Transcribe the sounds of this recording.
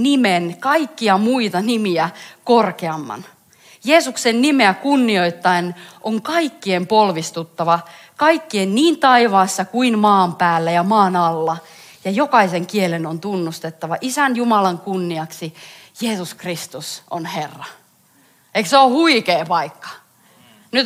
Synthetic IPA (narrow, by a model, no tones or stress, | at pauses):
nimenkɑikːiɑmuit̪ɑnimiækorkeɑmːɑ̰n | jeːsuksennimeækunːioit̪ːɑenʔoŋkɑikːiempolʋist̪ut̪ːɑʋɑ | kɑikːienniːnt̪ɑiʋɑːsːɑkuinmɑːmpæːlːæjɑmɑːnɑlːɑ | jɑjokɑiseŋkielenont̪unːust̪et̪ːɑʋɑʔisænjumɑlɑŋkunːiɑksijeːsuskrist̪uso̰nherːɑ | eikseohuikeːpɑikːɑ̥ | nyt̪